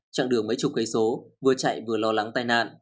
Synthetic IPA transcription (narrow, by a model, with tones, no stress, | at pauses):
t͡ɕa̰ː˧˨ŋɗɨ˨˩əŋmə˨˦jt͡ɕʊ˨˩k͡p̚ɣə˨˦jso˨˦vɨ˧˩ət͡ɕa̰˧˨jvɨ˨˩əlɔ˧la˨˦ŋt̪aː˧jna̰ː˧˨n